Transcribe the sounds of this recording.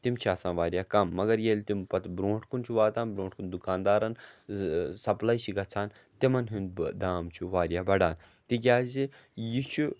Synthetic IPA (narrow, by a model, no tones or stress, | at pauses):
t̪imt͡ʃʰiaːsãːnʋaːɾʲjaːkɐmːɐɡɐɾjeːlʲt̪impɐt̪bɾõːʈʰkunt͡ʃʰuʋaːt̪aːnbɾõːʈkund̪ukaːnd̪aːɾɐn | sɐplaːjt͡ʃiɡɐt͡sʰaːn | t̪imɐnɦund̪d̪aːmt͡ʃʰuʋaːɾʲjaːbɐɽaːn | t̪ik̬ʲjaːzi | jit͡ʃʰu